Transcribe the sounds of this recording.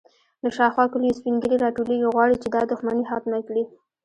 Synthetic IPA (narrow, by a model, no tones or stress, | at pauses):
ləʃɑxwɑkʊljospinɡəliɾɑʈoleɡiɣwɑɽit͡ʃed̪ɑd̪ʊxmanixɑt̪makɽi